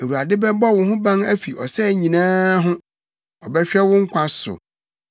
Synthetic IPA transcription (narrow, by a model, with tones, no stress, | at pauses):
æ˨wu˨a˨dɪ˦bɛ˦bɔ˦˨wʊ̃˨ɦʊ̃˦bã˦ŋæ˦fi˨ʔɔ˨sɛ˦˨ɲĩ˨nãː˦ɦʊ̃˦ | ɔ˨bɛ˦ɕᶣɛ˦wʊ̃˦ŋ̩˦kʷʰã˦sʊ̰˨